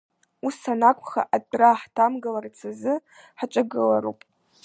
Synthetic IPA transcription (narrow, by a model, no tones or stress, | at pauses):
usanakʷʰʼχa̰ʔadʼraħtʰamɡalart͡sʰazɨ | ħat͡ʃʷʼaɡɨlaɾṵpʼ